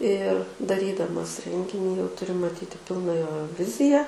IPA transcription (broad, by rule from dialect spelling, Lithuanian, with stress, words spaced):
ɪr dɐˈrʲiːdɐmɐs ˈrʲɛŋʲɡʲɪnʲiː jɛʊ tʊˈrʲɪ mɐˈtʲiːtʲɪ ˈpʲɪlˠnɐ ˈjoː ˈʋʲɪzʲɪjɛ